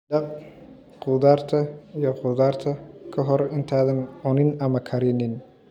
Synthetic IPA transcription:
d̪ɐb̚ | quːd̪aːɾt̪ʰɐijɔquːd̪aːɾt̪ʰɐkʰɐɦɔɾɪnt̪ʰaːðɐnʊnɪnɐmɐkʰɐɾɪnɪn

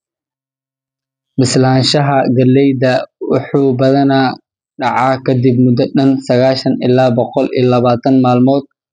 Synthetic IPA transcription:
bɪslaːnʃɐɦɐɡɐlːɛjd̪ɐwɑħuːbɐðɐna | ɖɑʕɑːkʰɐd̪ɪb̚mʊd̪ɐɗɐnsɐɣaːʃɐnɪ̰laːbɔqɔlḭːjɐlɐβaːt̪ʰɐnmaːlmɔːd̪̚

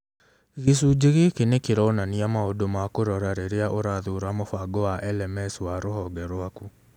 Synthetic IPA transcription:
ɣesuːd͡ʒeɣekenekeɾɔnaniamaodomakoɾɔɾaɾeɾeaʔoɾaðuːɾamofaɡɔwaʔɛlɛmɛswaɾohɔɡɛɾwaku

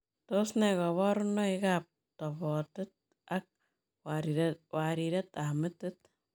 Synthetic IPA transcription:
tosnɛkɔβɔɾʊnɔɪkap̚ | tɔbɔtɪt̚ | ak̚ | waɾiɾɛtamɪtɪt̚

